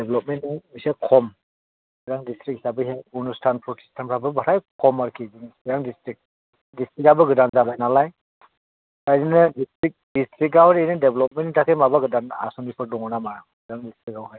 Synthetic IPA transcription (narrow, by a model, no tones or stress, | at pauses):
deblɔp̚menŋmisekʰɔm | ɡɯdaŋdistɾik̚hi̥sabɯɦejunustʰanpʰɔsi̥stʰanpʰɾabɯbaɾajkʰɔmaɾkʰizindaŋdistɾik̚ | distɾikabɯɡɯdanzabajnalaj | kajɾinɯdistɾik̚distɾik̚awɾenɯdeblɔp̚menitʰakʰemabaɡɯdana̰sɔnipʰɯɾdɔŋɔnamaɾaɡɯdaŋdistɾikawɦaj